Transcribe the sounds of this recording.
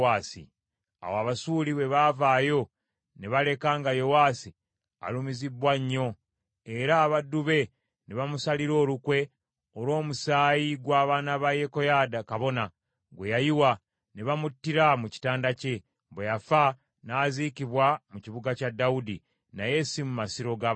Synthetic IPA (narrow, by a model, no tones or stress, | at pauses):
aːsḭ | a̰waβasuːliβe̞βavaːjo̞ | neβale̞kaːŋɡajo̞waːsi | a̰lumizibwaɲːo̞ | e̞ɾaːβadːuβe̞ | neβamusaliɾo̞ːlukwe̞ | olo̞ːmusaːjiɡwaːβaːnaβaje̞ko̞jaːdakaβo̞na | ɡwejajiwa | neβamutːiɾamuci̥taːndace̞ | bwejafa | naːzikiβwamuciβuɡacadaudi | naje̞simumasiɾo̞ɡa